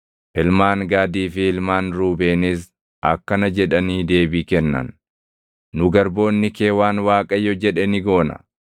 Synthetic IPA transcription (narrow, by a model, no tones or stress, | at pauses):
ʔɪlmaːŋɡaːd̪iːfɪɪlmaːnɾuːbeːnɪs̬ | ʔɐkːɐnɐd͡ʒɛᶑɐniːd̪e̞ːbiːkɛnːɐ̰nː | ʊɡɐɾbo̞ːnːɪkeːwaːnwaːkʼɐjːɔd͡ʒɛᶑɛnɪɡo̞ːnɐ̰